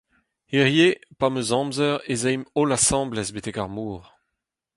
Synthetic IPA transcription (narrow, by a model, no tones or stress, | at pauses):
iʁjepamøzɑ̃ːmzœʁezɛjmolasɑ̃ːblɛzbet̪ɛkaʁmuːʁ